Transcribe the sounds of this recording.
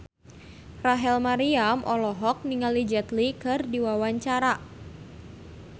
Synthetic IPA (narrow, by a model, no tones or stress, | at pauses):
raɦɛlmaɾiamʔɔlɔɦɔk̚niŋalid͡ʒɛt̪likɨrdiwawaɲt͡ʃaɾa